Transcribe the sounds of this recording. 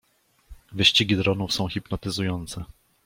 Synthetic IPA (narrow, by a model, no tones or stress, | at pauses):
vɘɕt͡ɕiɡʲid̪ɾɔnufsɔ̃w̃xʲipnɔt̪ɘzujɔnt̪sɛ